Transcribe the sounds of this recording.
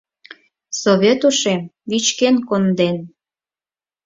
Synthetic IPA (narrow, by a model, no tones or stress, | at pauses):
soβʲet̪uʃemβit͡ɕkenkond̪en